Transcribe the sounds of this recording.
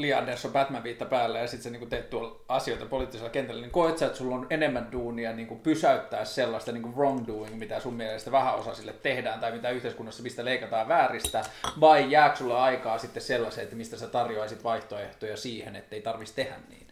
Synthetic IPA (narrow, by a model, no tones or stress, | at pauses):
liɑndersːopæt̪mæʋiːt̪ːɑpæːlːæjɑsit̪seniːŋkut̪ett̪uol | ɑsioit̪ɑpoliːˑt̪ːiselːkent̪ælːæniŋkoit̪sɑet̪sulːonenemːænduːniɑniːŋkumpysæyt̪ːæːsselːɑst̪ɑniːŋkuroŋduːiŋkmit̪æsummielest̪æʋæhæo̰sɑsilːet̪ːehdæːnt̪ɑimit̪æyht̪eiskunːɑsːɑmist̪æleikɑt̪ɑːʋʋæːrist̪æʋɑijjæːksulːeɑikɑːsit̪ːesselːɑseːet̪ːmist̪æset̪ɑrjoɑisit̪ʋɑiht̪oeht̪ojɑsiːhenḛt̪ːeit̪ɑrʋist̪ehæ̰nnḭːn